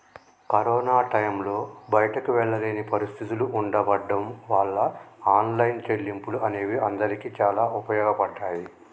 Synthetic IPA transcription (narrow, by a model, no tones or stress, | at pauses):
kɐɾɔːnaːʈɐjmlo̞ːbɐjɐʈɐkuʋɛɭːɐleːnipɐɾist̪ʰit̪uluʔuɳɖɐbɐɖːɐmʋaːɭːɐaːnlɐjnt͡ʃe̞ɭːimpuluʔɐne̞ːʋiɐnd̪ɐɾikit͡ʃaːlaːupɐjɔːɡɐpɐɖːaːji